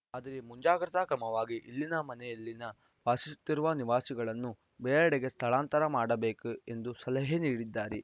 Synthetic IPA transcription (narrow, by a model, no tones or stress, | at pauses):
aːd̪ɐɾemuɲd͡ʒaːɡɾɐt̪akɾɐmɐʋaːɡiʔilːinɐmɐnɛjɐlːinɐ | ʋaːsisu̥t̪ːiɾuʋɐniʋaːsiɡɐɭɐnːu | beːɭɛɽeɡe̞st̪ʰɐɭaːnt̪ɐɾɐmaːɽɐbe̞ːkue̞nd̪usɐlɐɦeniːɽid̪ːaːɾi